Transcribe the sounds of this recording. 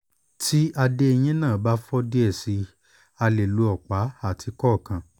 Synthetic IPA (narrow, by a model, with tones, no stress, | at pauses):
tʰi˦ʔa˧de˧e˧j̃ĩ˦nãː˦˨ba˦fɔ˦di˦ɛ˦˨si˨˧ | a˧le˨lu˨˦ɔ˨k͡pa˨˦a˦˨tʰi˧kɔ˦˨kã˨